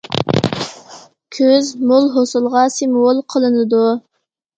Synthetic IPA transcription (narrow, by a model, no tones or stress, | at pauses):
kʲʰøzmolˠɦosɨlˠʁɑsɪmwolˠqʰəlˠɨnɨd̪u